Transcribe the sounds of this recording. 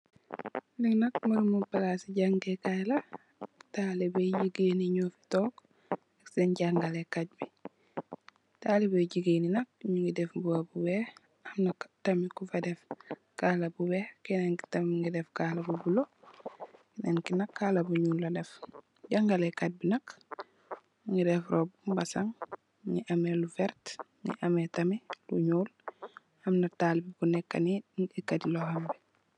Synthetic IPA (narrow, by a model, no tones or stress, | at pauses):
liŋnak̚maɾumupalasiɟaŋɡekajla | talibeɟiɡeniɲoːfi̥tok | aksenɟaŋɡalekat̚bi | taːlibeɟiɡeːninak̚ɲuŋɡidɛfbuwabuwɛ | ɐmnaktamikufadɛf | kalɐbuwekɛnenki̥tamŋɡidɛfkahlɐbubulo | kinɛnkinakːalɐbuɲuːllɐdɛf | ɟaŋɡalekat̚binɐk | ŋidɛfɾoːbumbasaŋ | ŋiʔɐmelufɛɾt | ŋḭʔɐmetɐmilṵɲuːl | ɐmnataːlibukunɛkːaniikadilohambɛ